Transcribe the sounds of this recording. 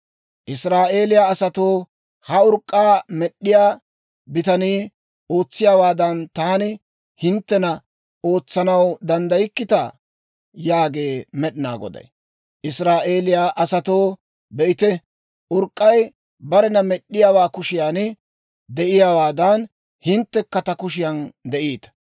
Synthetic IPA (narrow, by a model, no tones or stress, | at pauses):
ʔɪsɾaːʔeːlɪjaːsɐt̪o̞ː | hɐʊɾkʼːaːmɛɗːɪjaː | bɪt̪ɐniː | ʔo̞ːt͡sːɪjaːwaːd̪ɐnt̪aːnɪ | hɪnt̪ːɛnɐ | ʔo̞ːt͡sːɐnɐwd̪ɐnd̪ɐjɪkːɪt̪ɐ̰ | jaːɡe̞ːmɛɗɪna̰ːɡɔ̰d̪ɐ̰j | ʔɪsɾaːʔe̞ːlɪjaːʔɐsɐt̪o̞ː | bɛʔɪt̪ɛ | ʔʊɾkʼːɐj | bɐɾɛnɐmɛɗːɪjaːwaːkʊʃɪjaːnɪ | d̪ɛʔɪjaːwaːd̪ɐn | hɪnt̪ːɛkːɐt̪ɐkʊʃɪjɐnd̪ɛʔiːt̪ɐ̥